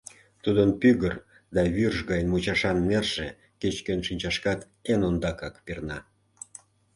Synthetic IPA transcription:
t̪ud̪ənpyɣər | d̪ɑβyrʒɣɑjnmut͡ɕɑʃɑnːerʒ̥e | ket͡ɕkenʃinʲt͡ɕɑʃkɑt̪ | enond̪ɑkɑkpirnɑ

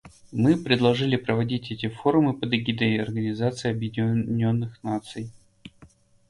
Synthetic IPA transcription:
mɨpɾʲɪd̪lˠɐʐɨlʲɪpɾəvɐdʲitʲɛtʲɪfo̞ɾʊmɨpəd̪ɐɡʲid̪əɐrɡənʲɪzat̪sɨɪɐbjɪdʲnʲo̞nːɨxnat̪sɨj

